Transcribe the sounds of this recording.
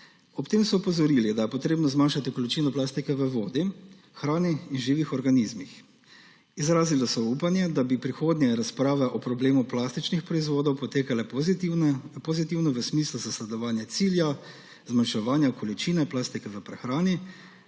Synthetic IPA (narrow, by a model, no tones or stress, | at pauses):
ɔpt̪eːmsɔɔpɔzɔɾilid̪ajɛpɔt̪ɾeːbnɔzmaːnʃat̪ikɔlit͡ʃiːnɔplaːst̪ikɛʋəʋoːd̪i | xɾaːniːnʒiːʋixɔɾɡanizmix | izɾaːzilɔsɔuːpanjɛd̪abipɾixoːd̪njɛɾaspɾaːʋɛʔɔpɾɔbleːmuplaːst̪it͡ʃnixpɾɔizʋoːd̪ɔwpɔt̪eːkalɛ | pozit̪iwnɔʋəsmiːsluzaslɛd̪ɔʋaːnjat̪siːlja | zmanʃɛʋaːnjakɔlit͡ʃiːnɛplaːst̪ikɛʋəpɾɛxɾaːni